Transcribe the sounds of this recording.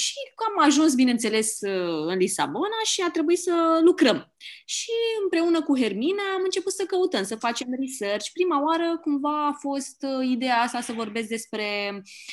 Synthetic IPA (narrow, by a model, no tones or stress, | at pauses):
ʃikamaʒuns̬binent̪se̞lesɨɨnlisa̰bo̞naʃiat̪ɾe̞buisəlukɾəm | ʃiɨmpɾe̞unəkuɦe̞rminaamɨnt͡ʃe̞put̪səkəut̪əmsəfat͡ʃe̞mrisert͡ʃʲpɾimaoaɾəkumvaːfo̞st̪id̪e̞jaast̪asəvo̞rbesʲd̪e̞spɾe̞